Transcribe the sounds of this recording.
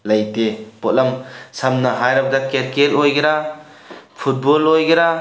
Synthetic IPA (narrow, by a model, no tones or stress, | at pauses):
lɐjtepot̚lɐmsɐmnɐɦajɾɐb̚dakeɾkelojɡeɾa | pʰut̚bolojɡeɾa